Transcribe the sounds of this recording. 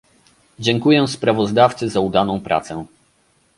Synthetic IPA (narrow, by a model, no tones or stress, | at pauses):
d͡ʑɛŋkujɛspɾavɔzd̪aft̪sɘzaud̪anɔ̃w̃pɾʔa̰t̪sɛ